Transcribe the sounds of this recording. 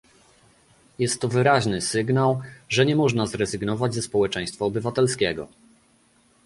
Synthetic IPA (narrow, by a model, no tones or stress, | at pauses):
jɛst̪ːɔvɘɾaʑnɘsɘɡnawʐɛɲɛmɔʐnazɾɛzɘɡnɔvad͡ʑʲzɛspɔwɛt͡ʂɛj̃st̪faːbɘvat̪ɛlskʲɛɡɔ̰